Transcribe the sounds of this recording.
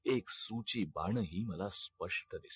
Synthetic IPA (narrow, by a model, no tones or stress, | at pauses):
eksut͡ɕiːba̰ɳəɦiːməlaspəʂʈəd̪is